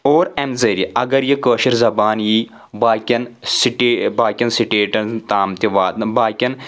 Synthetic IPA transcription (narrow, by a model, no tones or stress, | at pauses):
oːɾemzɐɾiʔɐɡɐɾjikəːʃɐɾzɐbaːnjiː | baːkʲɐnsiʈeːbaːkʲɐnsiʈeːʈɐnt̪aːmt̪ʲiʋaːt̪baːkʲɐn